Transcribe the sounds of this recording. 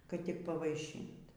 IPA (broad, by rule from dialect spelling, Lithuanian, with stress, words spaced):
kɐt tʲɪk pɐʋɐɪˈʃʲiːnt